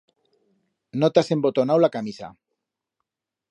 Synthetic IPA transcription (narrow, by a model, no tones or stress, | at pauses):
not̪asembot̪onawlakamisa̰